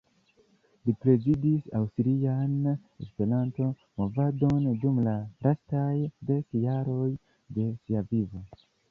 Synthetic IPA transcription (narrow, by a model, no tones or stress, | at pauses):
lipɾe̞zidisa̰wstiɾian | e̞̰spe̞ɾanto̞ | mo̞vado̞ndumlaɾʔastajde̞kjaɾo̞j | de̞siavivo̞